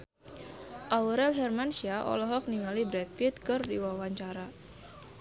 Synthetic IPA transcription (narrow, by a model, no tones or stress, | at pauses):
ʔauɾɛlɦɛrmansiaʔɔ̰lɔɦɔk̚niŋalibɾɛt̪̚pit̪̚kɨrdiwawaɲt͡ʃaɾa